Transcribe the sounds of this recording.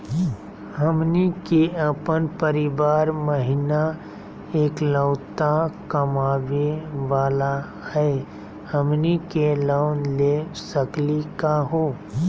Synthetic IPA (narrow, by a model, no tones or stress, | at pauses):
həmnikeəpənpəɾɪʋaːɾməɦɪna | eːkləʊt̪akəmaːʋeʋaːla | hɛe | həmnikelaʊnlesəklikaɦoː